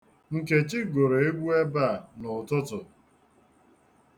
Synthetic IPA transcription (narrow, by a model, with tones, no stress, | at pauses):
ŋ̩˨ke˨t͡ʃɪ˦ɡo˨ɾo˨e˦ɡʷu˦e˦ba˦˨nʊ˨tʊ˦tʊ˨